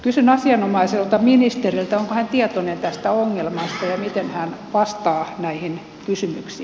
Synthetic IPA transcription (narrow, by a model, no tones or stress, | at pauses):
kysynɑsiɑnomɑiselt̪ɑminist̪erilt̪æoŋkohænt̪iɛt̪onent̪æst̪æoŋːelmɑst̪ɑjɑmit̪enhænʋɑst̪ɑːnæihin | kysymyksiː